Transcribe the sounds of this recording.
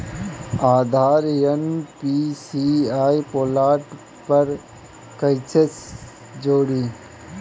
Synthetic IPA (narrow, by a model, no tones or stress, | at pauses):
aːd̪ʱaːɾjənpisiaːipoːlaːʈ | pəɾ | kəɪt͡ʃes | d͡ʒoːɽiː